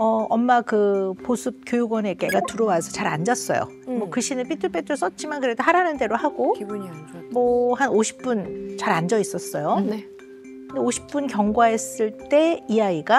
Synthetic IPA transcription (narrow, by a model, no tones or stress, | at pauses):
ʌʔʌmːakɯposʰɯp̚kjojuɡwʌnek͈e̞ɡatuɾʌwasʰʌt͡ɕaɾand͡ʑʌs͈ʌ̰jo̰ | mwʌkɯɕʰinɯpʰitʰɯɭp͈ʰetʰɯs͈ʌt͡ɕ͈imankɯɾe̞doɦaɾanɯnde̞ɾohaɡokiuɲmʌhanoɕʰi̥p̚p͈unt͡ɕaɾand͡ʑʌis͈ʌs͈ʌjone | kɯndeoɕʰi̥p̚p͈unkjʌŋɡwae̞s͈ɯɭt͈e̞ijaiɡa